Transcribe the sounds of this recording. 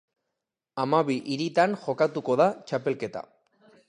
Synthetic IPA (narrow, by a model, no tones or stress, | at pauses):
amaβiʔiɾit̪anʝo̞kat̪uko̞ðat͡ʃape̞lke̞t̪a̰